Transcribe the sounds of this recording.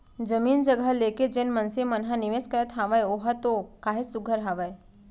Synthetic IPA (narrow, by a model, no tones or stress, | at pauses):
d͡ʒəmiːnd͡ʒəɡəleked͡ʒenmənsemənɦaniʋeːskəɾət̪ɦaʋajoɦat̪okaːɦesuɡʱəɾɦaʋae